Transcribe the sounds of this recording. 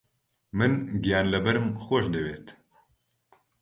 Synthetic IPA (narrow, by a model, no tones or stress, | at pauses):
mɨnɡijaːnləbɛɾɨmxʷoʃd̪eweːt̪